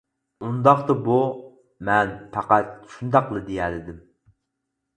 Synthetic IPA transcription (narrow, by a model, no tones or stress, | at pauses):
und̪ɑχt̪ɑbu | mɛnpʰɑqæt̪̚ʃund̪ɑqlˠɨd̪ejɛlɪd̪ɪm